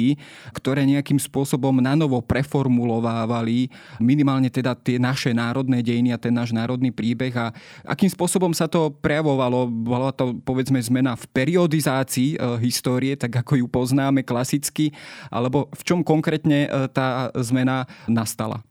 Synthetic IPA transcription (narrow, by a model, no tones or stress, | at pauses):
kt̪ɔɾɛːɲɛakimspʊɔsɔbɔmnanɔʋɔpɾɛfɔɾmulɔʋaːʋali | minimaːlɲɛt̪ɛd̪at̪ɪɛnaʃɛnaːɾɔd̪nɛːɟɛjiniat̪ɛnːaːʒnaːɾɔd̪niːpɾiːbɛɣaʔa̰kiːmspʊɔsɔbɔmsat̪ɔpɾɛjaʋɔʋalɔbɔlat̪ɔpɔʋɛd͡zmɛzmɛnafpɛɾiɔd̪izaːt͡siːɦist̪ɔːɾiɛt̪aɡakɔjupɔznaːmɛklasit͡skiʔa̰lɛbɔft͡ʃɔmkɔŋkɾɛːt̪ɲɛt̪aːzmɛnanast̪ala̰